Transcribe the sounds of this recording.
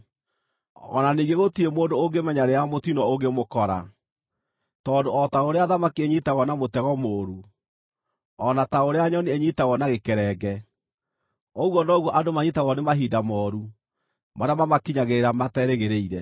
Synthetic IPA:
ɔ̰naniɡeɣotiemoːndooɡemɛɲaɾeamotinɔoɡemokɔɾa̰ | tɔːndoɔtaoɾeaðamakieɲitaɣɔnamotɛɣɔmoːɾu | ɔnataoɾeaɲɔnieɲitaɣɔnaɣekɛɾɛɡɛ | ɔɣwɔnɔɣwɔʔadomaɲitaɣɔnemaɦiːdamɔɾu | maɾeamamakiɲaɣeɾeɾamatɛɾeɣeɾeiɾɛ

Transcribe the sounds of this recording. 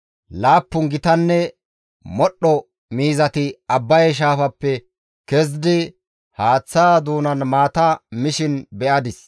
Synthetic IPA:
laːpːʊŋɡɪt̪ɐnːɛ | mɔɗːɔ | miːzɐt̪ɪɐbːɐjʃ̬aːfɐpːɛ | kɛz̬d̪ɪ | haːt͡sːaːd̪uːnɐnmaːt̪ɐmɪʃɪnbɛʔɐd̪ɪs

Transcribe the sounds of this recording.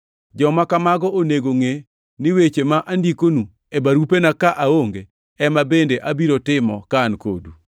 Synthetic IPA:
d͡ʒɔmakamaɡɔʔoneɡoŋe | nɪwet͡ʃemaʔandikonu | ebaɾupenakaʔaoŋɡe | ɛmabendeʔabiɾotɪmɔkaːnko̰du

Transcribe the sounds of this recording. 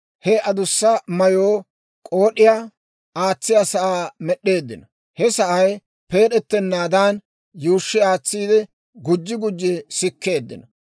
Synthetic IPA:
hɛɐd̪ʊsːɐmɐjoː | kʼoːɗɪjaː | aːt͡sːɪjɐsɐʔaːmɛɗːe̞ːd̪ːɪnɐ | hɛsɐʔɐj | pe̞ːɗɛt̪ːɛnːaːd̪aːn | juːʃːɪaːt͡sːiːd̪ɛ | ɡʊd͡ʒːɪɡʊd͡ʒːɛsɪkːe̞ːd̪ːɪnɐ

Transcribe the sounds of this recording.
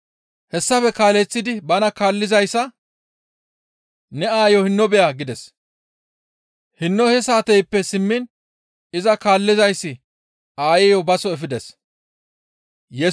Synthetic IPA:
hɛsːɐfɛkaːlɛt͡sːɪd̪ɪbɐnɐkaːlːɪzɐjsːɐ | nɛaːjɔhɪnːɔbɛjaɡɪd̪ɛs | hɪnːɔhɛsaːt̪ɛjpːɛsɪmːɪn | ɪzɐkaːlːɪzɐjsːɪ | aːjɛjɔbɐsɔɛfɪd̪ɛs | jɛ

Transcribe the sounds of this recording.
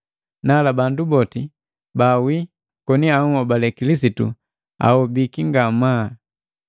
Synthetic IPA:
nalabandubɔti | bawi | kɔniauɔbalɛkilis̬itṵ | a̰hɔbikiŋɡama

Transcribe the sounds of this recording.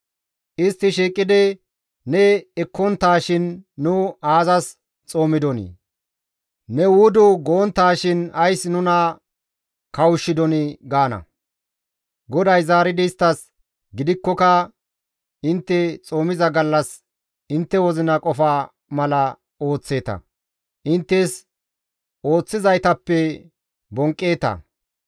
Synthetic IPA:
ʔɪst̪ːɪʃiːkʼːɪd̪ɪ | nɛɛkːɔnt̪ːaːʃɪnːʊaːzɐs | t͡sʼo̞ːmɪd̪ɔnɪ̰ | nɛwʊd̪ʊɡoːnt̪ːaːʃɪnɐjsnʊnɐ | kɐwʊʃːɪd̪ɔnɪɡaːnɐ̰ | ɡɔd̪ɐjzaːɾɪd̪ɪst̪ːɐs | ɡɪd̪ɪkːɔkɐ | ɪnt̪ːɛt͡sʼo̞ːmɪzɐɡɐlːɐs | ɪnt̪ːɛwɔzɪnɐkʼɔfaː | mɐlɐ | o̞ːt͡sːe̞ːt̪ɐ̰ | ʔɪnt̪ːes | o̞ːt͡sːɪzɐjt̪ɐpːɛ | bɔŋkʼːe̞ːt̪ɐ̰

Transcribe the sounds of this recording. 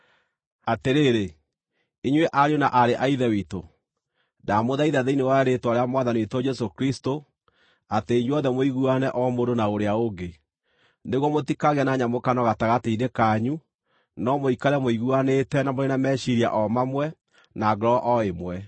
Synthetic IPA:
ateɾeːɾe | iɲweʔaɾjɔnaʔaɾeʔaiðɛwito | damoðaiðaðeinewaeɾetwaɾeamwaðanietɔd͡ʒɛsokɾisto | ateiɲwɔnðɛmoiɣuanɛʔɔmoɾonaoɾeaoɡe | neɣwɔmotikaɣanaɲamokanɔɣataɣateidekaɲu | nɔmoikaɾɛmoiɣuanetɛnamoɾenamɛɕiɾia̰ʔɔmamwɛ | naɡɾɔʔɔemwɛ

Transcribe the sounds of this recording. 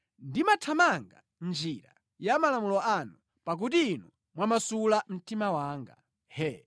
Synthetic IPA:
ndimatʰamaŋɡa̰ | nd͡ʒiɾa̰ | jamalamulɔanu | pak̬ut̬iːnu | mwamasulam̩timawaːŋɡa̰ | hɛ

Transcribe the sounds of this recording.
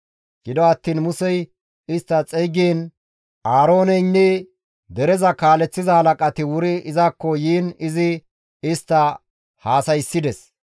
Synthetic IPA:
ɡ̥ɪd̪ɔɐt̪ːiːnmʊsɛj | ɪst̪ːɐt͡sʼɛjɡeːn | ʔaːɾo̞ːnɛjnːɛ | d̪ɛɾɛzɐkaːlɛt͡sːɪzɐhɐlɐkʼɐt̪ɪwʊɾɪɪzakːɔjiːnɪzɪ | ɪst̪ːɐ | haːsɐjsːɪd̪ɛs

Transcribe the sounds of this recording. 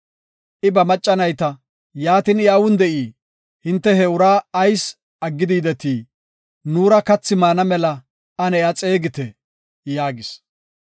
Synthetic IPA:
ʔɪbɐmɐt͡ʃʼːɐnɐjt̪ɐ | jaːt̪ɪnɪawʊnd̪ɛʔiː | hɪnt̪ːɛɦɛʊɾaːɐjs | ɐɡːɪd̪iːd̪ɛt̪iː | nuːɾɐkɐt͡sːɪmaːnɐmɛlɐ | ɐnɛjat͡sʼe̞ːɡɪt̪ɛ | jaːɡɪs

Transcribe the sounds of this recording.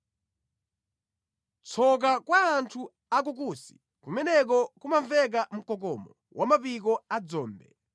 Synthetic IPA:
t͡sʰɔk̬akwaːntʰu | ak̬uk̬usi̥ | kumɛnɛk̬ɔkumaɱvɛk̬am̩kɔk̬ɔmɔ | wamapikɔad͡zɔːmbɛ̰

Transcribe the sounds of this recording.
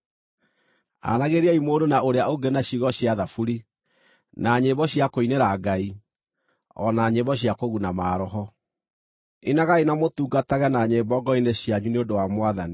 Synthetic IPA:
a̰naɣeɾiaimoːɾonaoɾeaoɡenaɕiɣɔɕjaðafuɾi | naɲebɔɕjakoineɾaɡai | ɔ̰naɲebɔɕ̬jakoɣunamaːɾɔɦɔ | enaɣainamotuːɡataɣɛnaɲeːbɔɡɔineɕjaɲuneodowamwaðani

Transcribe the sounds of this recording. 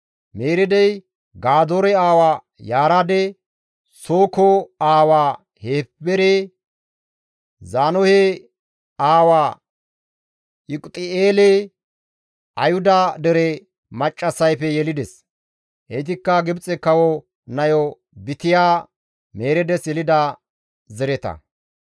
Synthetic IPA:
meːɾɛd̪ɛj | ɡaːd̪oɾɛaːwaː | jaːɾad̪ɛ | soːkɔaːwaː | heːpːɛɾe | zaːnɔhɛ | aːwaː | ɪkʼt̪ʼɪeːle | ʔɐjhʊd̪ɐd̪ɛɾɛ | mɐt͡ʃʼːɐsɐjpɛjɛlɪd̪ɛs | ʔɛjt̪̬ɪkːɐɡɪbt͡sʼɛkɐwɔ | nɐjɔ | bɪt̪ɪjaː | me̞ːɾɛd̪ɛsjɛlɪd̪ɐ | zɛɾɛt̪ɐ̰

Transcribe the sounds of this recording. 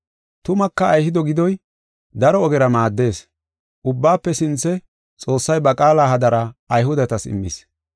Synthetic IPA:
t̪ʊmɐkːɐːjhɪd̪ɔɡɪd̪ɔj | d̪ɐɾɔːɡɛɾɐmaːd̪ːe̞ːs | ʔʊbːaːpːɛsɪnt͡sːɛ | t͡sʼo̞ːsːɐjbɐkʼaːlaːɦɐd̪ɐɾɐɐjɦʊd̪ɐt̪ɐsɪ̰mːɪs

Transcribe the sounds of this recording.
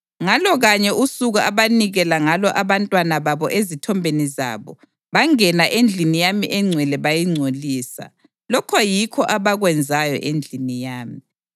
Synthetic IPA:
ŋalɔɣaɲɛusuɣuʔaβaniɣɛlaŋalɔʔaβantʼwanaβaβɔʔezitʰɔmbʱeniza̰ːβɔ | βaŋɛnaʔend͡ɮʱinijamiʔɛŋ͡ǀʱwɛlɛβajiŋ͡ǀʱoliːsa̰ | lɔkʰɔjikʰɔʔaβaɣwɛnd͡zʱajɔ̰ʔend͡ɮʱinijaːmi

